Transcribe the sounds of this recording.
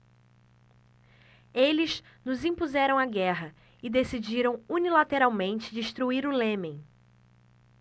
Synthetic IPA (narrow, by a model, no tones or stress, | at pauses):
elɪz | nʊzĩpuzɛɾɐ̃w̃aɡɛɦɐ | ɪd̪esid͡ʒiɾɐ̃w̃unilat̪eɾawmẽnt͡ʃɪd͡ʒiʃt̪ɾuiɾʊlẽmẽj̃